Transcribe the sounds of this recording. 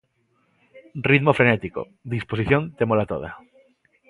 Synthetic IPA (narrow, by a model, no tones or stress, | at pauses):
riðmofɾenet̪iko̰ | d̪isposiθjont̪emolat̪o̰ð̞a̰